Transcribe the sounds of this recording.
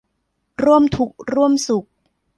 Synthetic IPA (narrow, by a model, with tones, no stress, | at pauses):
ɾu˥˩əmt̪ʰu˨˩k̚ɾu˥˩əmsu˨˩k̚